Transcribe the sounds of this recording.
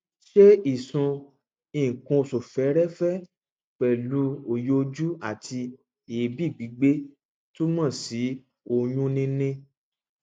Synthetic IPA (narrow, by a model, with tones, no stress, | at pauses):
ʃe˦i˦˨sũ˧ | ĩ˨kũ˧o˨so˨fɛ˨˦ɾɛ˦fɛ˦ | k͡pɛ˨lu˦o˧˨jo˦˧d͡ʒu˦a˦˨tʰi˧ | e˨e˨bi˦˨ɡ͡bi˨˦ɡ͡be˦ | to˦mã˦˨si˨˦ | o˧jũ˦nĩ˧nĩ˧˦